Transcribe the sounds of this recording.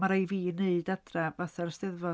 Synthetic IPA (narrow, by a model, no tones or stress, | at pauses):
maɾejviːneɨdadrɛvaθɛrstɛðvɔ